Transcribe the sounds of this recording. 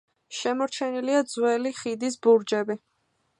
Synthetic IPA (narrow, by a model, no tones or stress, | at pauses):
ʃɛmɔɾt͡ʃʰɛniliad̪zwɛliχid̪isbuɾd͡ʒɛbi